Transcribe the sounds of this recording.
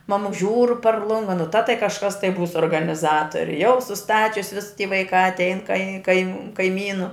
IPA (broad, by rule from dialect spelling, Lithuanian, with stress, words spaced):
ˈmɑːmʊks ˈʒʲuːr pɐr ˈlˠʊŋɡɐ nʊ tɐ tɐɪ kɐʃˈkɐs tɐɪ ˈbuːs oːrɡɐnʲɪˈzɑːtoːrʲɪ jɛʊ sʊˈstɑːt͡ʃʲʊs ʋʲɪs ˈtʲiː ʋɐɪˈkɑː ɐtʲˈɛɪn kɐɪ kɐɪ kɐɪˈmʲiːnʊ